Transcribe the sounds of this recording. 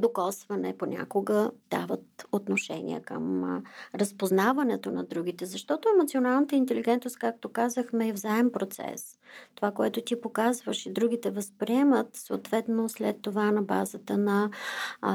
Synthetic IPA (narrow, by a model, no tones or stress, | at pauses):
d̪okɔsvɐnɛ̰ponʲa̰koɡəd̪̥a̰vət̪ot̪noʃɛ̰nʲḭə̰kə̰mɾəspoznavɐnɛt̪onɐd̪ɾuɡ̟it̪ɛzɐʃt̪ɔt̪oɛmot̪sionalˠnət̪əint̪ɛliɡɛnt̪nost̪̚kak̚t̪okazəxmɛːvzaɛmpɾot̪sɛ̰s | t̪ovakoɛt̪ot̪ʲipokazvəʃid̪ɾuɡ̟it̪ɛvəspɾiɛmət̪so̰t̪vɛt̪noslɛt̪ːovanɐba̰zət̪ənɐ